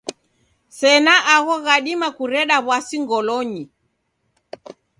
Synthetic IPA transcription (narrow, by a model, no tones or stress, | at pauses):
sɛnaʔaɣɔɣaɗimakuɾɛɗaβwasiŋɡɔlɔɲi